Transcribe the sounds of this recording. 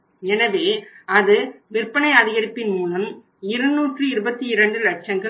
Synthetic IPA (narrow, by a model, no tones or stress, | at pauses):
ɛnɐʋeːɐðɯʋɪrpːɐɳɐɪɐðɪɣɐɾɪpːɪnmuːlɐm | ɪɾɯnuːʈrɯɪɾɯbɐt̪ːiɪɾɐɳɖɯɾɐʈ̚t͡ʃɐŋɡɐ